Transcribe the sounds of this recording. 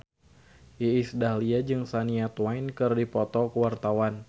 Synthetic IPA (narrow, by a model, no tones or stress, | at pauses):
ʔiisdahliad͡ʒɨŋsaniat̪wajnkɨrdipɔt̪ɔkəwart̪awan